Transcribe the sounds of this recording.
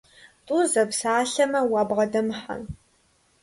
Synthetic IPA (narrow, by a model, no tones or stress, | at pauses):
tʼuzɐpsaːɬɐmɐwaːbʁɐdɐmħa̰n